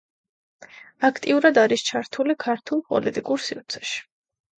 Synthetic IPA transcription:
akʰt̪ʼiuɾad̪aɾist͡ʃʰaɾt̪ʰulikʰaɾt̪ʰulˠpʼɔ̰lit̪ʼikʼuɾsivt̪sʰɛ̥ʃi̥

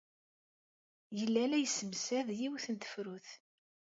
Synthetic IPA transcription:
jəlːælæjəsːəmsæðjiwθənt̪ə̥fɾuθ

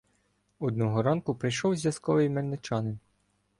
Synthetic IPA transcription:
ɔd̪̚nɔɦɔɾɑnkʊpɾɪjʃɔwzʲʋʲjɐskɔʋɪjmernet͡ʃɑnɪn

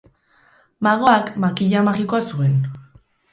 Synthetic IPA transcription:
maɣo̞akmakiʎamaɣiko̞asue̞n

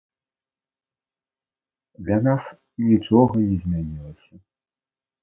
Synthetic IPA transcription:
d̪lʲanas | nʲit͡ʂɔɣɐnʲɛzʲmʲanʲilˠɐsʲɐ

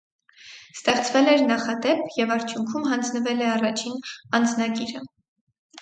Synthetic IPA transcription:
st̪ɛχt͡svɛlɛɾnɑχɑd̪ɛpʰjɛvɑɾt͡sʰjuŋkʰumɦɑnd͡znəvɛlɛɑrɑt͡ʃʰinɑnd͡znɑɡiɾə

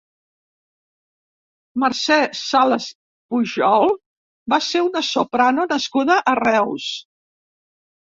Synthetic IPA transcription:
məɾsɛsaləs | puʒɔlˠ | baseunəsopɾanonəskuðəʔərɛws

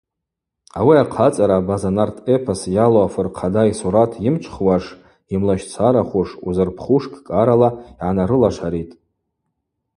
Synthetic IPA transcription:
awiaqʰat͡sʼaɾabazanartʼʰepʰasjaloafɨrqʰadaisuɾatʰjɪmt͡ʃʷʰχwaʂ | imlaʃt͡sʷʰaɾaχʷuʂṵzɨrpʰχuʂkʼkʼaɾalaiʕanaɾɨlaʂaɾitʼ

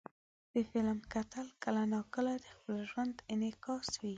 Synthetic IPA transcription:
d̪̥əfɪlmkat̪alkalanɑkəlad̪əxpəlʒwand̪ɪnɪkɑswi

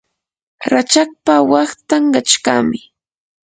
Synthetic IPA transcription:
ɾat͡ʃak̚pawɑχt̪aŋɢat͡ʃka̰mɪ

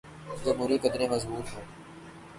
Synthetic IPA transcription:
zɐmɦuːɾiːkɐd̪ɾẽːmɐzbuːt̪ɦõː

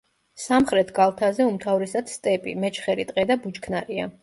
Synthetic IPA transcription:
samχɾɛt̪ʰɡalˠt̪ʰazɛumt̪ʰavɾisad̪st̪ʼɛpʼḭmɛt͡ʃʰχɛɾit̪ʼqʼɛd̪abud͡ʒkʰnaɾia̰

